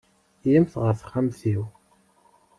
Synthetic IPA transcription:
jimθʁəɾfχamθiw

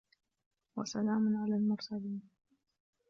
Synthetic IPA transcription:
wa̰salaːmʊnʕalaːlmʊɾsaliːn

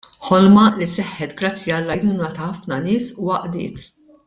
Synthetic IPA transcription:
ħɔlmɐlisɛħːɛt̪ɡɾɐt͡sːjiɐlːɐjnuːnɐt̪ɐħɐfnɐnɪːsuɐʔd̪ɪ̰ːt̪

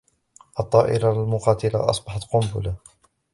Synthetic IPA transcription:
ʔɑt̪ˤːɑːʔɪɾalmʊqɑːt̪ɪla̰ʔɑ̰sˤbɑħɑt̪qʊmbʊ̰la

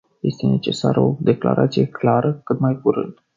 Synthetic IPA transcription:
je̞st̪e̞ne̞t͡ʃe̞saɾo̞d̪e̞kla̰ɾʔat̪sije̞klaɾəkɨt̪majkuɾɨ̰nd̪

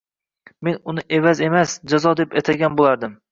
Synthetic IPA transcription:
me̞nʊnɪʔevaze̞masd͡ʒazɒd̪e̞pat̪ʰaɡʲanbolˠaɾd̪ɪm

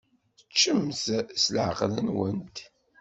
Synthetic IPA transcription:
ət͡ʃːəmθslʕəqlənwənt̪

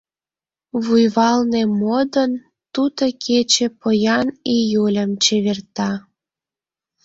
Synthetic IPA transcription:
βujβɑlnemod̪ən | t̪ud̪əkʰet͡ɕĕpojɑnijulʲəmt͡ɕeβert̪ɑ

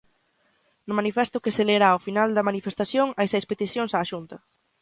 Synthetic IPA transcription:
nʊmanifɛst̪ʊkeseleɾaʊfinald̪ɐmanifest̪asjoŋajsɛjspet̪isjoŋsaːʃunt̪ɐ

